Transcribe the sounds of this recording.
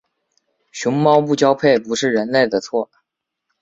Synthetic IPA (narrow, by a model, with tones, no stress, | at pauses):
ɕʊ˧˥ŋmɑ˥ʊmu˥˩t͡ɕjɑ˥ʊpʰe˥˩ɪpu˧˥ʂɻ̩˥˩ɻə˧˥nle˥˩ɪd̪ə˩t͡sʰwɔ˥˩